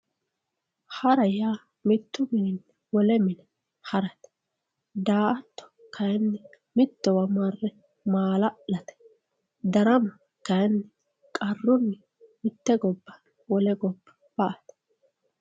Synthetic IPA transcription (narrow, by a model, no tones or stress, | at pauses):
hɐɾɐjaː | mɪt̪ːʊmɪːnːɛ | wɔlɛmɪnɛ | hɐɾɐt̪ɛ̥ | d̪aːʔɐt̪ːɔ̥ | kʰɐjnːɛ | mɪt̪ːɔwɐmɐrːɛ | maːlɐlɐt̪ɛ̥ | d̪ɐɾɐmɐ | kɐjnːɛ | kʼɐrːʊnːɛ | mɪt̪ːɛɡɔbːɐ | wɔlɛɡɔbːɐ̥ | b̥ɐʔɐt̪ɛ̥